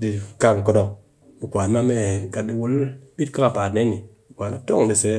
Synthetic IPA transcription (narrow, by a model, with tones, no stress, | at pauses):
di˨ka˦ŋko˦do˦ | mi˨kʷa˨n˦ma˦me˦˨ka˨tdi˦wu˦lbi˦tka˦ka˨pa˨tne˦ni˨ | i˨kʷa˨nma˦to˦ŋdi˨se˨˦